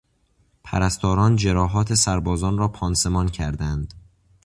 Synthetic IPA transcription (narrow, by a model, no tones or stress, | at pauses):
pʰæ̰ɾæst̪ʰɒːɾɒːnd͡ʒe̞ɾɒːɦɒːt̪ʰe̞sæɾbɒːzɒːnɾɒːpʰɒːnse̞mɒːncʰæɾd̪ænd̪̥